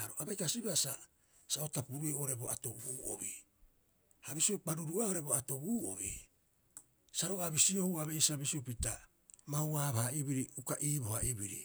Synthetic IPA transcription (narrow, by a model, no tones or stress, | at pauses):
aɾoabajkasibasa | saotapuɾuioɾe̞boa̰to̞buːo̰βi | haβisiok͡paɾuɾuaoɾe̞boato̞buːo̰βi | saɾoaβisio̞huaβeisaβisiopita | mawaːβahaiβiɾiukaʔiːbo̞haʔiβiɾḭ